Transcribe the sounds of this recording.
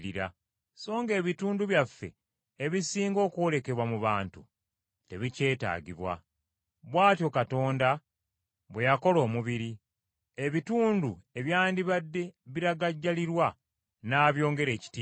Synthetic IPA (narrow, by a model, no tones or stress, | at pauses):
iɾa | so̞ːŋɡe̞ːβituːnduβjafːe̞̰ | eβisiːŋɡo̞ːkwole̞ke̞βwamuβaːntu | te̞βice̞ːta̰ːɟiβwa̰ | βwaːtjo̞kato̞ːnda | βwe̞jako̞lo̞ːmuβiɾi | e̞βituːndue̞βjaːndiβadːe̞βiɾaɡaɟːaliɾwa | naːβjo̞ːŋɡe̞ɾe̞ːci̥tiː